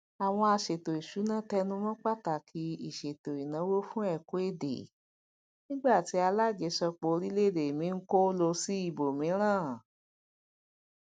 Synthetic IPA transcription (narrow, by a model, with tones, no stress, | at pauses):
a˨w̃ɔ̃˧a˧ʃe˨to˨i˨ʃu˨˦nã˦tɛ˧nũ˧mɔ̃˦k͡pa˦˨ta˨kʰi˨˦i˦˨ʃe˨to˨i˨nã˨˦wo˦fũ˦ɛ˦˨ko˨˦e˦˨dḛ˨ | nĩ˦ɡ͡ba˦˨ti˨˦a˧la˦d͡ʒe˨˦ʃɔ˧k͡po˧ɾi˦le˦˨de˨mĩ˨˦ŋ̩˦ko˦lo˧si˦i˦˨bo˨mĩ˨˦ɾ̃ãː˦˨